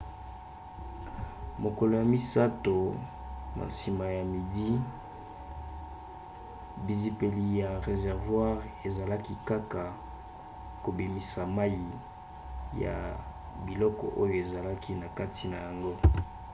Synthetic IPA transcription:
mo˨kɔ˨lo˨ja˨mi˦sa˦to˨ | na̰˨si˨ma˨ja˨mi˨di˦ | bi˨zi˨pe˨li˨ja˨ʁe˨zɛ˨ʁvwa˦ʁe˨za˨la˦ki˦ka˦ka˨ | ko˨bi˨mi˨sa˨ma˦ji˨ | ja̰˨ | bi˨lɔ˦kɔ̰˨ʔo˦jo˨e˨za˨la˦ki˦na˨ka˦tʰi˨na˨ja˨ŋɡo˦

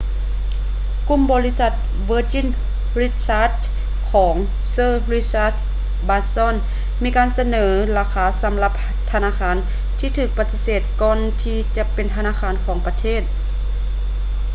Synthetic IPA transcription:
ku˧˨mbɔː˧li˦˥sa˧˩t̪̚ | ʋɤː˧˥t͡ɕi˧˥˨n | ɾi˧˥t̪̚saː˧˥t̪̚ | kʰɔː˩˦ŋ | sɤː˧ɾi˧˥saː˧˥t̪̚ | baː˧nsɔː˧˥˨n | miː˧˥˧kaː˧˨nsa˧nɤː˩˦laː˧kʰaː˧˦sa˩˦mla˧p̚ | t̪ʰa˧naː˧˥kʰaː˧˥˨n | t̪ʰiː˧t̪ʰɯː˧˩k̚pa˧t̪ːi˧seː˨˩t̪̚kɔː˧nt̪ʰiː˧t͡ɕa˧˦pe˨nt̪ʰa˧naː˧˥kʰaː˧˥˨nkʰɔː˩˦ŋpa˧t̪ʰeː˥˩t̪̚

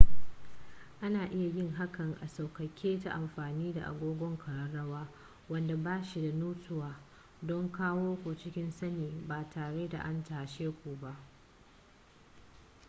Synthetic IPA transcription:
ʔa˦naː˨ʔɪ˦ja˨jɪ˦ŋɦa˦kɐ˨ŋʔa˨sa˨wkɐ˨kʲʰːeː˦ta̰˦ʔa˨mɸaː˨niː˦da̰˨ʔa̰˨ɡʷoː˦ɡʷɔ˦ŋkʰɐ˨ɽɐ˨rːɐ˦waː˦ | wɐ˦nda˨baː˦ʃi˨da˨nuː˦tʊ˦waː˨ | dɔ˦ŋkaː˦woː˦kʷo˨t͡ʃɪ˦kʲɪ˦nsɐ˦neː˨baː˨tʰaː˨ɽe˦da̰˨ʔa˦ntaː˨ʃeː˦kʷuː˨ba˦ʔ

